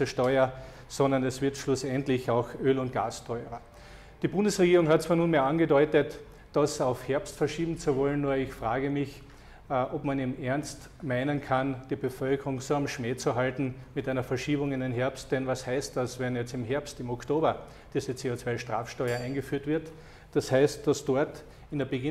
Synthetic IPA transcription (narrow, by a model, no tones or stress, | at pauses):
əʃtɔʏɐ | sɔ̃ndɐnɛsv̥ɪɐtʃlʊsɛntlɪçaʊxøːlʊnt̚ɡ̥a̰ːstʰɔʏʁɐ | d̥iːbʊ̃ndəsʁeɡiːʁʊŋhat̚t͡svaːnuːnmeːɐãnɡədɔʏtət | d̥asaʊfhɛɐpstfɛɐʃiːbm̩t͡suvɔlənːuːɐɪçfʁ̥aːɡəmɪç | ʔɔpmanimʔɛɐnst | maɪnənkʰand̥iːbəfœlkʰəʁʊŋsoamʃmeːt͡suɦaltn̩mɪtæɪnɐfɛɐʃiːbʊŋɪndenɦɛɐpst̚d̥ɛnvashæɪst̚d̥asvɛnjɛt͡sɪmɦɛɐpstɪmoktoːbɐ | d̥iːzət͡seːot͡sv̥aɪʃtʁ̥a̰ːfʃtɔʏɐæ̃ɪ̃nɡəfyːɐtv̥ɪɐt | d̥ashæɪst̚d̥asd̥ɔɐt | ɪndeɐbəɡɪ